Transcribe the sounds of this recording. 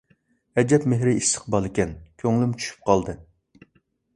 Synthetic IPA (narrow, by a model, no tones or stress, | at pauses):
ɛd͡ʒɛpmeɦɾɪist̪ə̥qbɑlˠɪkʲɛnkʲʰøŋlymt͡ʃʰy̥ʃy̥p̚qʰɑlˠd̪ɨ